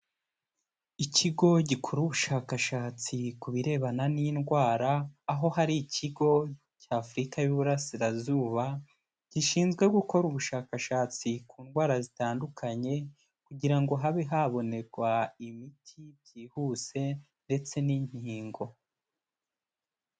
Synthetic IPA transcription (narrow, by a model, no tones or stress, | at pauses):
icʰiɡo̞ɟikʰoɾuβuʃaːkaʃaːt͡sikuβiɾe̞ːβananiːnɡwaːɾaːɦo̞haɾiːcʰiɡo̞ | ɟaːfuɾikajuβuɾasiɾazuːβa | ɟ̥iʃiːnzɡwe̞ɡuko̞ɾuβuʃaːkaʃaːt͡sikuːnɡwaːɾazitaːndukʰaɲe̞ | kuɟiɾaŋɡo̞ɦaβeɦaβo̞ne̞ɾɡwaimitʰibɟiːhuse̞ | nde̞t͡se̞niɲ̥hiːŋɡo̞